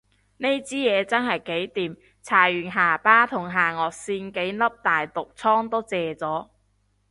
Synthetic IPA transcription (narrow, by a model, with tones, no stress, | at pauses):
ne˥jt͡siː˥jɛː˨˧t͡sɐ˥nhɐ˨˩jke˨˥jt̪iː˨m | t͡sʰaː˨˩jyː˨˩nɦaː˨˩paː˥t̪ʰʊ˨˩ŋɦaː˨˩ŋɔː˨˧k̚siː˧nke˨˥jlɐ˥p̚t̪aː˨jt̪ʊ˨k̚t͡sʰɔː˥ŋt̪o˥t͡sɛː˨˧t͡sɔː˨˥